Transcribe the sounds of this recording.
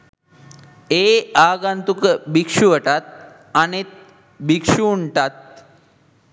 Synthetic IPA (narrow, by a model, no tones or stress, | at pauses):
eaɡant̪ukbikʂuʋəʈat̪̚ | anet̪̚ | bikʂuːɳʈat̪̚